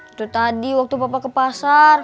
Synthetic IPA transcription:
t̪ut̪adiwak̚t̪upapakəpasar

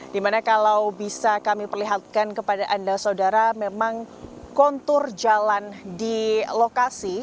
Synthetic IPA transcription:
dimanakalawbisakamipərliɦat̪̚kankəpadaʔandasaudaɾamemaŋ | kɔnt̪ʊrd͡ʒalandilokasi

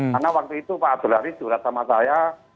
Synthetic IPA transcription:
arnawak̚t̪uit̪upaʔad̪̥əlaɾid̪̥ṳɾasamasaja

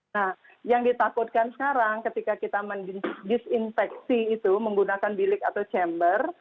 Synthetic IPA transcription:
nah | jaŋdit̪akʊt̪̚kansə̥kaɾaŋkət̪ikakit̪amanddɪsinfɛk̚siːt̪uməŋɡunakanbilɪkat̪awt͡ʃɛmbər

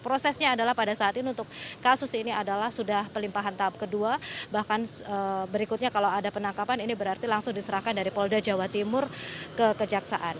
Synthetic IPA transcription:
pɾosɛsɲaːdalahpadasaat̪iniunt̪ʊkːasʊsiniadalahsudahpəlimpaɦant̪aap̚kəduabahkan | əbəɾikʊt̪̚ɲakalawadapənaŋkapaninibəɾart̪ilaŋsʊŋdisəɾahkandaɾipɔldad͡ʒawat̪imʊrkəkəd͡ʒaksa̰ʔan

